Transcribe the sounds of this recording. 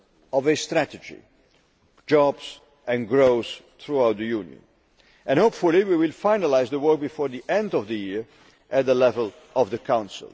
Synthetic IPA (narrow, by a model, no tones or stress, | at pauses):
ɔvest̪ɾæt̪əd͡ʒḭ | d͡ʒɔbs | ɛ̃nɡɹoʊs | θɹuawt̪̚d̪əjuːnjə̰̃n | ɛ̃nhopfuliwiwɪlfajnalaɪzðəwɜk̚bifɔːɹðiʔɛ̃ndɔvðəjiɹ | ʔæt̪̚ðəlɛvəl | ɔvðəkʰãw̃nsɪ̰l